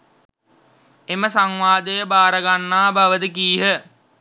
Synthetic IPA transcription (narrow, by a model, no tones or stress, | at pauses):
eməsaŋʋaːd̪əjəbaːɾəɡanːaːbaʋəd̪əkiːɦə